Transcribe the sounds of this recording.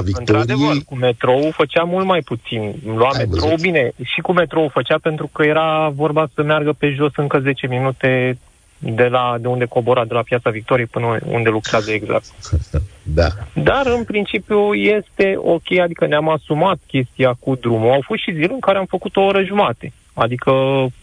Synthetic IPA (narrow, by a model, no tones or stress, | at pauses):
viɨnt̪ɾaɾeəkumːe̞t̪ɾo̞ufət͡ʃamult̪majput̪sinmlwamet̪ɾoubine̞ʃikume̞t̪ɾo̞ufət͡ʃape̞nt̪ɾukəje̞ɾavo̞rbasəmearɡəpe̞ʒo̞sɨŋkəze̞t͡ʃe̞minut̪e̞ | d̪e̞lad̪e̞und̪e̞ko̞bo̞ɾad̪e̞lapjat̪savik̚t̪o̞ɾijepɨnəṵnd̪e̞lukɾeazəe̞ɡza̰k̚t̪ | d̪a̰d̪arɨnpɾint͡ʃipjuje̞st̪e̞o̞kʲejad̪ikəneamasumat̪̚kʲe̞st̪ijakud̪ɾumuawfot̪ʃizilɨŋkaɾeamfəkut̪o̞oɾəʒumat̪e̞ | ad̪ikʰə